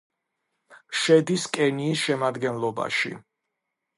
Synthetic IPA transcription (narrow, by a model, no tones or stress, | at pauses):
ʃɛd̪iskʼɛniːsʃɛmad̪ɡɛnlˠɔba̰ʃḭ